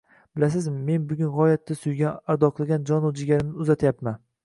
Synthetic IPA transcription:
b̥ɪlas̬ɪzmme̞nbʊɡʲʊnʁɒjat̪ːasʊjɡʲaaɾd̪ɒqʰɨlˠɡʲand͡ʒɒnod͡ʒɪɡʲaɾɪmnɪʊzat̪ʰjapman

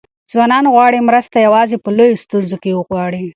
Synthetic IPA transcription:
zwɑnɑnɣwɑɽimɾəst̪ajawɑzepəlojost̪unzokewəɣwɑɽi

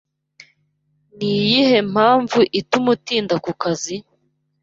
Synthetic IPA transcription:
nijihe̞m̥haːɱvuʔitumutiːndakukazi

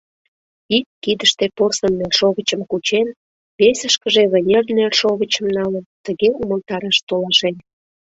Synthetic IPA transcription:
ikːid̪əʃt̪eporsənːelʲʃoɣət͡ɕəmkut͡ɕen | βesəʃkəʒeβənʲernelʲʃoɣət͡ɕəmnɑlənt̪əɣeuməlˠt̪ɑɾɑʃt̪olɑʃen

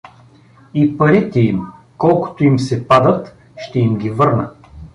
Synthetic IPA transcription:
ipɐɾit̪ɛim | kɔlˠkʊ̥t̪oimsɛpad̪ət̪ | ʃt̪ɛimɡʲivɤɾnə

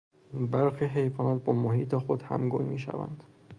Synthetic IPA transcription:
bæɾxiːɦejvɒːnæt̪̚bɒːmoɦiːt̪ʰexod̪hæ̰mɡunmiːʃæ̰væ̰nd̪̥

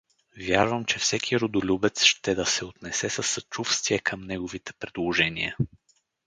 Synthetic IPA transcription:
vjaɾvəmt͡ʃɛfsɛkʰiɾʊd̪ʊlʲubɛt̪sʃt̪ɛd̪ɐsɛot̪nɛsɛsəsːɐt͡ʃufst̪viɛkʰəmnɛɡovit̪ɛ̥pɾɛd̪lˠoʒɛniə

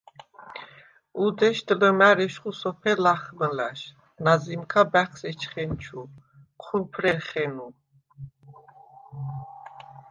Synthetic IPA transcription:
ud̪ɛʃd̪ləmæɾɛʃχusɔpʰɛlaχməlaʃ | nazimkʰabæχsɛt͡ʃʰχɛnt͡ʃʰu | qʰuɾpʰɾɛɾχɛnu

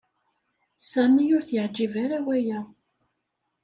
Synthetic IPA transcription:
sæmijʊɾθjəʕd͡ʒːivaɾawæjæ

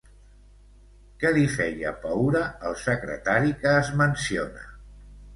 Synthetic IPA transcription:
kəlifɛjə̰pawɾəəlˠsəkɾə̰t̪aɾikəːzmənsionə̰

